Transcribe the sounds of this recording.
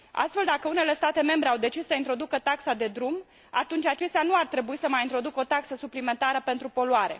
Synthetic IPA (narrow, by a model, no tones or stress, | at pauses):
a̰st̪fe̞ld̪akəune̞le̞st̪at̪e̞me̞mbɾe̞awd̪e̞t͡ʃissəint̪ɾo̞d̪ukət̪aksad̪e̞d̪ɾum | a̰t̪unt͡ʃʲat͡ʃe̞st̪eanuart̪ɾe̞buisəmajint̪ɾo̞d̪uko̞t̪aksəsuplime̞nt̪aɾəpe̞nt̪ɾupo̞luaɾe̞̰